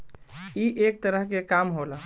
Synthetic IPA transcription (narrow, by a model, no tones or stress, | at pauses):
iʔek̚t̪əɾəɦkekamɦolə